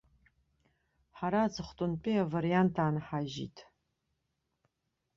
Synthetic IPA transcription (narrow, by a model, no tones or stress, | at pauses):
ħaɾaːd͡zɨχʷtʼʊnpʼiavaɾijantʰaːnħaʒḭtʼʰ